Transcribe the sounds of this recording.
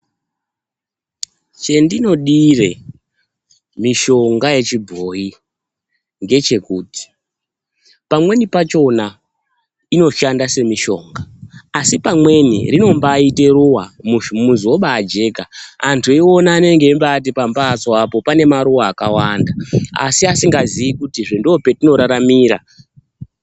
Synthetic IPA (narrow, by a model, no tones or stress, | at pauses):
t͡ʃe̞ndino̞ɗire̞ | miʃo̞ŋɡaje̞t͡ʃibʱo̞ji | ŋɡe̞t͡ʃe̞kuːti̥ | pamwe̞nipat͡ʃo̞na | ino̞ʃandase̞miʃo̞̰ŋɡaːsipamwe̞nḭrino̞mbaːite̞ruwamumuzoɓaːd͡ʒe̞ːɡaantʰueiwo̞naːne̞ŋɡeimbat̬ipambat͡soapo̞pane̞maɾuwaːkawandaa̰siasiŋɡazijikutiʐendope̞tino̞ɾaɾamiːɾa̰